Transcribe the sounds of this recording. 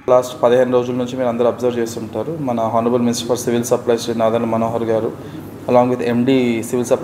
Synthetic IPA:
laːsʈpɐd̪ɐɦeːniɾoːd͡ʒulɐnuɲt͡ʃimiːɾɐnd̪ɐɾuɐbzɐɾʋt͡ʃeːst̪uuɳʈaːɾumɐnɐɦaːnɐbɐlminisʈɐɾpʰɐɾsiʋilsɐɾplɐjsʈinaːd̪ɐɾlɐmɐnoːɦɐɾɡaːɾu | ɐlaːŋɡʋid̪ʰemɖisiʋilsɐp

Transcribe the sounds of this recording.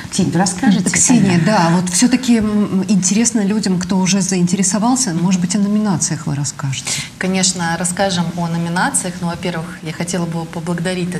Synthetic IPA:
ksʲenʲvɾɐskaʐɨksʲenʲɪjəd̪avo̞t̪fsʲɵt̪əkʲɪɪnʲtʲɪɾʲe̞snəlʲudʲɪmkt̪o̞ʊʐɛzəɪnʲtʲɪɾʲɪsɐvaɑlˠsʲəmo̞ʐɨd̪̚bɨtʲɐnəmʲɪnat̪sɨjəxvɨ̰ɾɐskaʐɨt̪ʲkɐnʲe̞ʂnəɾɐskaʐɨmonəmʲɪnat̪sɨjəxnovɐpʲe̞rvɨxjaxɐtʲe̞lˠəbɨpəblˠəɡəd̪ɐɾʲit̚ʲɛ

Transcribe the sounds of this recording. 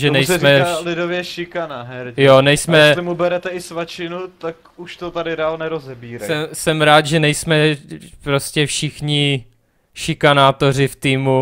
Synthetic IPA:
ʒɛnɛjsmɛalɪdovjɛʃɪkanaɦɛɾjonɛjsmɛɛslɪmubɛɾɛt̪ɛɪsvat͡ʃɪnut̪ak | uʃt̪ot̪adɪdaalnɛɾozɛbiːɾasɛmsɛmɾaːt̪ʒɛnɛjsmɛpɾo̞scɛfʃɪxɲɪ | ʃɪkanaːt̪o̞rɪft̪iːmu

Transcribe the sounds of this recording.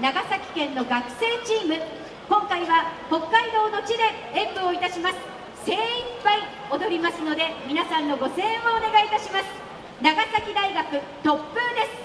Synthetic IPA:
naɡasakʲi̥kẽ̞nːo̞ɡakɯ̟̥se̞ːt͡ɕiːmɯ̟ | kõ̞ŋkaiβaho̞kːaid̪o̞ːno̞t͡ɕid̪e̞ | ẽmbɯoit̪aɕimasɨ̥ | se̞ːĩpːai | o̞d̪o̞ɾʲimasɨno̞d̪e̞mʲinasãnːo̞ɡo̞sẽ̞ːoːne̞ɡait̪aɕimasɨ̥ | naɡasakʲid̪aiɡakɯ̟ | t̪o̞pːɯ̟̃nd̪e̞sɨ̥

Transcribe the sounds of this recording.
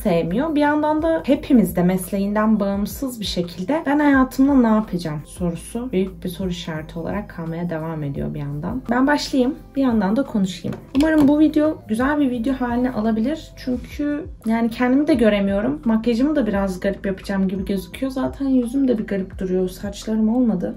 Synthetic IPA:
sejemijo̞bijand̪and̪ahe̞pʰimizd̪ɛmɛslʲe̞jind̪ænbaɯmsɯzbiʃe̞cʰilʲd̪ɛbænhajaːt̪ʰɯmˠanaːpʰad͡ʒamso̞ɾusubyjyc̚biso̞ɾuʃaɾt̪ʰɯo̞lˠa̰ɾakʰːamejad̪e̞vaːme̞d̪ḭjo̞̰bija̰nd̪a̰nbænbaʃlˠajɯmb̥ijand̪and̪akʰo̞nuʃɯjɯ̰mumaɾɯmbuvid̪ejo̞ɟyzælʲbivid̪ejo̞ɦaːlʲinɛʔalˠabilʲiɾ̥t͡ʃʰyɲcʰyjaːnicʰɛnd̪imid̪ɛɟø̞ɾe̞mijo̞ɾumːakːed͡ʒamɯd̪abiɾazɡaɾipjapʰɯ̥d͡ʒaːmɟibiɟø̞zykʰyjo̞zaːt̪ʰænjyzymd̪ɛbiɡaɾipd̪̥uɾujo̞saɾt͡ʃlˠaɾɯmo̞lˠmad̪ɯ

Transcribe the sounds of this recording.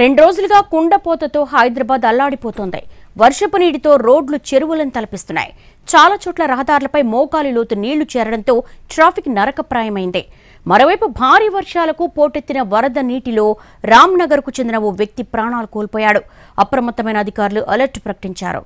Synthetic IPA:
ɾe̞ɳɖuɾoːd͡ʒuluɡaːkuɳɖɐpɔːt̪ɐt̪oːɦɐjd̪ɾɐbaːd̪ɐlːaːɽipɔːt̪oːnd̪ḭʋɐɾʂɐpɐniːɽit̪o̞ːɾoːɖlut͡ʃe̞ɾuʋɐlɐnit̪ɐlɐpist̪unːa̰ːjḭ | t͡ʃaːlaːt͡ʃɔːʈlɐɾɐɦɐd̪aːɾulɐpɐjmɔːkaːlilo̞ːt̪uniːɭut͡ʃɛːɾɐɽɐnt̪o̞ːʈɾaːpʰiknɐɾɐkɐpɾaːjɐmɐjind̪ḭ | mɐɾo̞ːʋɐjpubʱaːɾiːʋɐɾʂaːlɐkupoːʈe̞t̪ːinɐʋɐɾɐd̪ɐniːʈilo̞ː | ɾaːmnɐɡɐɾkut͡ʃend̪inɐoːʋjɐk̚t̪ipɾaːɳaːlukoːlpɔːjaːɽu | ɐpɾɐmɐt̪ːɐmɐjnɐːd̪ʱikaːɾuluʔɐlɐɾʈpɾɐkɐ̥ʈiɲt͡ʃa̰ːɾṵ

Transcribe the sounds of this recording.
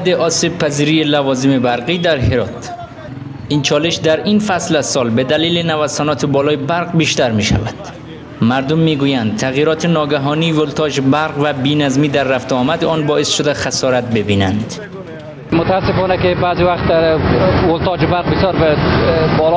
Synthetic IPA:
bd̪eʔɒːsib̚pʰæziːɾijelævɒːzimebæɾqiːd̪æɾheɾɒːt̪ | int͡ʃʰɒːleʃd̪æɾinfæslæsɒːlbed̪æliːlenævæsanɒːt̪ʰebɒːlɒːjebæɾqbiːʃt̪æɾmiʃæ̰væd̪̥ | mæɾd̪omːiːɡujænd̪̚t̪ʰæɣjiːɾɒːt̪ʰenɒːɡæɦɒːniːvolt̪ʰɒːd͡ʒbæɾqvæbiːnæzmiːd̪æɾːæft̪eɒːmæd̪eɒːnbɒːʔesʃod̪æxæsɒːɾæt̪̚bebiːnænd̪ | mot̪aːsefɔːnækebaːziwæχt̪ | wolt̪ʰɒːd͡ʒebaɾqbɪsjɒːɾ | bɒl

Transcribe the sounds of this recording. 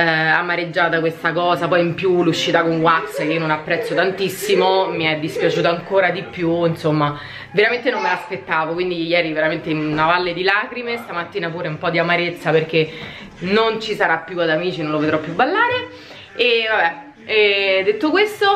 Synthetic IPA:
amːaɾed͡ʒːaːt̪akwest̪akɔːzapɔjimpjuluʃːit̪akoŋɡwat̪sjakeiononapːɾɛt̪sːot̪ant̪isːimomiɛd̪ːispjat͡ʃuːt̪̬aŋkoːɾad̪ipːjuinsomːa | veɾament̪enomːelaspet̪ːaːvokwind̪ijɛːɾiveɾament̪einavalːed̪ilaːkɾimest̪amat̪ːiːnapuːɾeumpɔd̪ːiamaɾet̪sːaperk̟e | nont͡ʃisaɾapːjuad̪amiːt͡ʃinõnloved̪ɾɔpːjubːalːaːɾe | evabɛ | ɛd̪ːet̪ːokwest̪o

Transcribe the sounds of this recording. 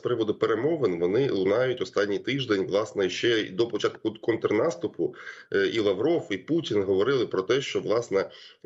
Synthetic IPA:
spɾɪʋɔd̪ʊpeɾemɔʋenʋɔnɪlˠʊnɑjʊtʲɔst̪ɑnʲːijt̪ɪʒd̪enʲʋlˠɑsnɛʃt͡ʃɛ̰d̪ɔpɔt͡ʃɑt̪kʊkɔnt̪ɾnɑst̪ʊpʊilˠɐʋɾɔfiputʲinɦɔʋɔɾɪlˠɪpɾɔt̪ɛʃt͡ʃɔʋlˠɑsnɛ

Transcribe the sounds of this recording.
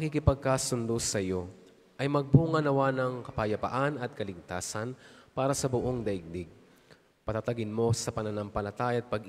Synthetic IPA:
ɐkikɪpɐɡ̚kaːsʊnd̪osɐjo̞ | ʔɐjmɐɡ̚buːŋɐnɐwanɐŋkɐpajɐpɐ̰ʔanɐt̪̚kɐlɪɡ̚t̪aːsɐnpaːɾɐsɐbʊʔo̞ŋd̪ɐʔɪɡ̚d̪ɪɡ̚ | pɐt̪at̪ɐɡɪnmo̞sɐpɐnɐnɐmpɐlɐt̪aːjaɐt̪̚pɐɡ

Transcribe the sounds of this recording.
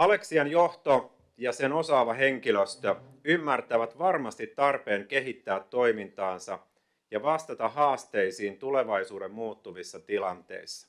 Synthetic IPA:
ɑle̞ksiɑnjoht̪o | jɑseno̞sɑːʋɑɦeŋkiløst̪ø | ymːært̪æʋæt̪ʋɑrmɑst̪it̪ːɑrpe̞ːŋke̞ɦit̪ːæːt̪ːo̞imint̪ɑːnsɑ | jɑʋɑst̪ɑt̪ɑɦɑːst̪e̞isiːnt̪ule̞ʋɑisuːɾemmuːt̪ːuʋisːɑt̪ilɑnt̪e̞̰isːɑ̥

